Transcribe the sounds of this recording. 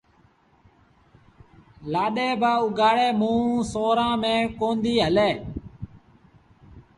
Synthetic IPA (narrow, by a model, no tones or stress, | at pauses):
laːɗeːbaːʊɡaːɽeːmũːsoːɾãːmẽːkoːnd̪iːɦəleː